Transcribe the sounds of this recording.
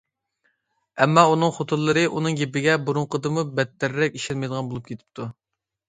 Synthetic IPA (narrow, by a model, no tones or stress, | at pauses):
ɛmːɑunɨŋχot̪ʰulːˠɨɾɨʔunɨŋjepːɪɡʲɛbuɾuŋqʰəd̪ɨmubɛt̪ːɛɾːɛk̚ʲi̥ʃɛlmɛjd̪əʁɑnbolˠup̚kʲet̪ʰɪ̥p̚t̪ʰu